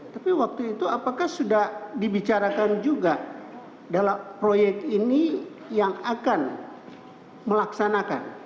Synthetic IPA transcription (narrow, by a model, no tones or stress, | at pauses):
t̪apiwak̚t̪uit̪uapakahsudahdibit͡ʃaɾakand͡ʒuɡa | dalampɾojɛk̚t̪ini | jaŋakan | məlaksanaka̰n